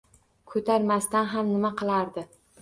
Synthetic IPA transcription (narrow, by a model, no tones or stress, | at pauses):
kʰɵt̪ʰaɾmast̪anɦamnɪmaqɨlˠaɾd̪ɪ